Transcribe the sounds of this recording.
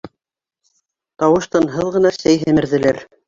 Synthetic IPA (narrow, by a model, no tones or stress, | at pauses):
t̪ɑwɤ̆ʃt̪ɑnɦɤðʁɤ̆nɑsæjɦɘ̆mɘ̆ɾðɘ̆læɾ